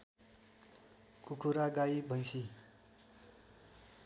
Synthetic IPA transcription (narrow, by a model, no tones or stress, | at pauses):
kukʰuɾaɡaibʱʌjsi